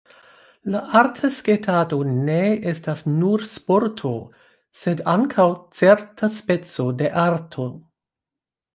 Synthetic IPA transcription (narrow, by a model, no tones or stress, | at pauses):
laʔaɾtʰasketʰado̞neestasnuɾspo̞ɾtʰo̞ | sedaŋkʰawt͡seɾtʰaspe̞t͡so̞de̞ʔaɾtʰo